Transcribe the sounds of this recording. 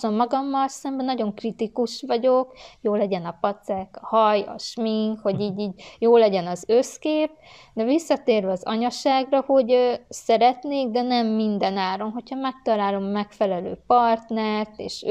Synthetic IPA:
o̞mːɒɡɒmːɒlsɛmbɛnɒɟo̞ŋkrit̪ikuʃʋɒɟokjoːlɛɟɛnɒpɒt̪sɛkːɒhɒjɒ̰ʃmiŋkho̞ɟiːɟiːɟjoːlːɛɟɛnɒzøskeːp̚ | d̪ɛvisːɒt̪eːrvɛɒzɒ̰ɲɒʃaːɡrɒho̞ɟøsɛɾɛt̪neːɡ̚d̪ɛnɛmːind̪ɛnaːɾo̞mɦo̞chɒmɛk̚t̪ɒlaːlo̞mmɛkfɛlɛlø̰ːpɒrt̪nɛrt̪eːʃ

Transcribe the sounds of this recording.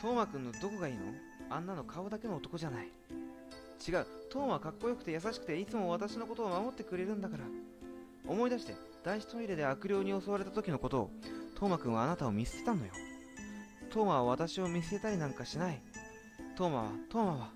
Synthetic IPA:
t̪o̞ːmakɯ̟̃nːo̞d̪o̞ko̞ɡaiːno̞̰ | ãnːano̞kʰaod̪ake̞no̞ːt̪okoʑanai | t͡ɕiɡaɯ̟t̪o̞ːmaβakakːo̞jo̞kɯ̟t̪e̞jas̬aɕi̥kɯ̟̥t̪e̞it͡sɨmo̞β̞at̪aɕino̞ko̞t̪oːmamo̞t̪ːe̞kɯ̟ɾe̞ɾɯ̟̃nd̪akaɾa | omo̞id̪aɕi̥t̪e̞ | d̪̥aiɕi̥t̪ooiɾed̪e̞akɯ̟ɾʲo̞ːɲ̟io̞soaɾet̪at̪o̞kʲino̞ko̞t̪o̞̰ːt̪ʰo̞ːmakɯ̟ɰ̃βaːnat̪aomʲisɨ̥t̪e̞t̪anːo̞̰jo̞̰ | t̪ʰo̞ːmaβaβ̞at̪aɕio̞mʲis̬ɨ̥e̞t̪aɾʲinãŋkaɕinai | t̪o̞ːma̰β̞a̰t̪o̞ːmaβa

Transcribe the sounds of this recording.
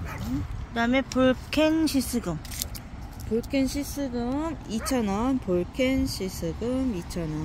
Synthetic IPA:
kɯdamepuɭkʰenɕʰis͈ʰɯɡɯm | puɭkʰenɕʰis͈ʰɯɡɯmit͡ɕʰʌnʌnpoɭkʰenɕʰis͈ʰɯɡɯmit͡ɕʰʌnʌ

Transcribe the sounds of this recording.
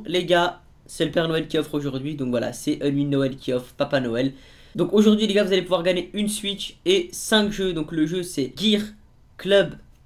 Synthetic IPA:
leɡa | sɛləpɛʁnɔɛlkʲiɔfχoʒuʁd̪ɥid̪ɔ̃kvwala̰sɛʔənɥinɔɛlkʲiɔfχpapanɔɛl | d̪ɔ̃koʒuʁd̪ɥileɡavuzalepuvwaʁɡaɲeynsɥit͡ʃesɛ̃kʒød̪ɔ̃kləʒøsɛɡʲiʁ | klœb

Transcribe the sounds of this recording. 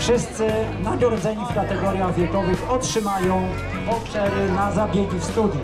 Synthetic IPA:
fʂɘst̪sɘnaɡ̪ɔɾɔd̪zɛɲifkat̪ɛɡɔɾʲjaɣvʲjɛkɔvɘxɔtʂɘmajɔ̃w̃ | ɔpʂɛɾɘnazabʲjed͡ʑifst̪ud̪ʲju

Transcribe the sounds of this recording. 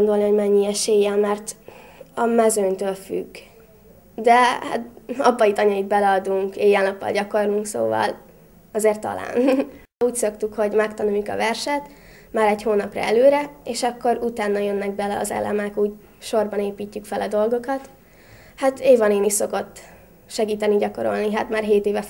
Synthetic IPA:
ond̪o̞lniɦoɟmɛɲːiɛʃeːjɛlmɛrt̪ɒmɛzøɲt̪øːlfy̰ɡ | d̪ɛha̰t̪ɒbːɒjit̪ɒɲɒjit̪̚bɛlɛɒd̪uŋkeːjɛlnɒpːɒ̰lɟɒko̞rluŋkso̰ːvɒ̰l | ɒzeːrt̪ːɒ̰la̰ːn | uːcso̞kt̪ukho̞ɟmɛkt̪ɒnuikɒ̰vɛrʃɛt̪ | maːɾɛɟhoːnɒprɒ̰ɛløːɾɛeːʃɒkːo̞ɾut̪aːnːɒjønːɛɡ̚bɛlɛɒ̰zɛ̰lʔɛ̰mɛkuːɟ | ʃo̞rbɒneːpiːcːykfɛlɒd̪o̞lɡo̞kɒt̪ | hat̪eːvɒneːniʃso̞ko̞t̪ː | ʃɛɡiːt̪ɛniɟɒko̞ɾo̞̰lniɦat̪maːrɦeːt̪eːvɛ

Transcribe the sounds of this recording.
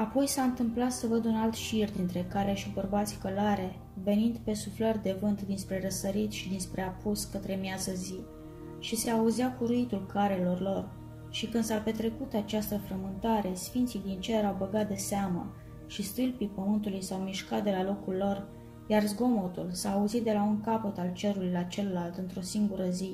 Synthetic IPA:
apo̞jsaɨnt̪ɨmplat̪səvəd̪unalt̪ʃird̪int̪ɾe̞kaɾe̞ʃibərbat̪sʲkolaɾe̞ | ve̞nind̪pe̞suflərʲd̪e̞vɨnt̪d̪inspɾe̞ɾəsəɾit̪ʃid̪inspɾe̞apuskət̪ɾe̞mjazəzi | ʃise̞auziakuɾuit̪ulkaɾe̞lo̞rlo̞r | ʃikɨnd̪sape̞t̪ɾe̞kut̪at͡ʃast̪əfɾəmɨnt̪aɾe̞sfint̪sid̪int͡ʃeɾawbəɡat̪̚d̪e̞seamə̰ | ʃist̪ɨlpipəmɨnt̪ulujsawmiʃkat̪̚d̪e̞lalo̞kulːo̞r | jarzɡo̞mo̞t̪ulsaːuzit̪̚d̪e̞lauŋkapot̪alt͡ʃe̞ɾulujlat͡ʃe̞llːalt̪ɨnt̪ɾo̞siŋɡuɾəzi

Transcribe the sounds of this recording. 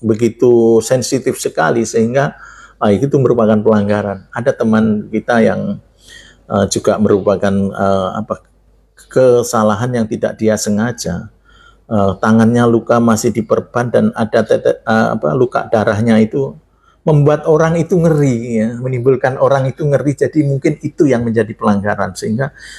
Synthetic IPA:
bəɡit̪usɛnsit̪ɪfsəka̰lisəɦiŋɡalaikit̪uməɾupakanpəlaŋɡaɾanadat̪əmankit̪ajaŋ | əd͡ʒuɡaʔməɾupakanəa̰pa | kəsalaɦanjaŋt̪ida̰ʔ̚diasəŋad͡ʒa | əːt̪aŋanɲalukamasɪhdipərb̥andanadat̪ɛt̪ɛəa̰pa̰luka̰ʔdaɾaɦɲait̪u | məmbuat̪oɾaŋit̪uŋəɾiamənimbʊlkanʔoɾaŋit̪uŋəɾid͡ʒadimuŋkɪnit̪ujaŋməɲd͡ʒadipəlaŋɡaɾansəɦiŋɡa

